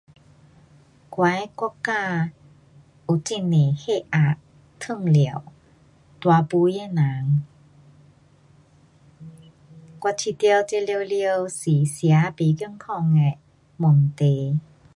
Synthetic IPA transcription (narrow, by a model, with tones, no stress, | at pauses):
kwa˨˦jkɔ˥˧˥kaː˥˧ | u˨˩t͡ɕi˧˨ne˨˩he˧˨ʔa˨˩ʔ | t̪ʰɯ˥˧˨ŋli˨ə˨w | t̪wa˨˧pu˧˦jɛ˧˨na˨˦ŋ | kwa˧t͡ɕʰi˧˩t̪jwt͡ɕe˧li˧wli˧ə˧wsi˨˩sja˨˧˦pi˨˦ki˥˧˨ŋkʰɔ˧ŋɛ˧˨ | mo˨˩nt̪e˨